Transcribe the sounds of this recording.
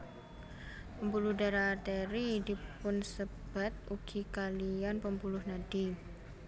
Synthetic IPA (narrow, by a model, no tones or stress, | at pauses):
pəmpuluhdaɾat̪eɾidi̤pʊnsəb̥at̪̚uɡ̥ikalianpəmpulʊhnaɖ̥i